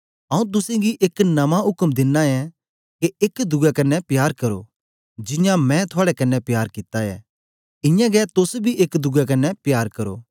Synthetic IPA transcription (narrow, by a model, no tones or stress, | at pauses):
ɐũt̪̬ʊsẽɡiʔeknɐmãɦʊkmd̪ɪnːaɛ | keʔekd̪ʊɡɛkɐnːɛpjaːɾkɐɾo̰ː | d͡ʒɪjãmɛ̃t̪ʰʊaːɽɛkɐnːɛpjaːɾkɪt̪ːaɛ̰ | ɪ̃jãɡɛt̪ʊsbʱiʔekd̪ʊɡak̬ɐnːɛpjaːɾkɐɾo̰ː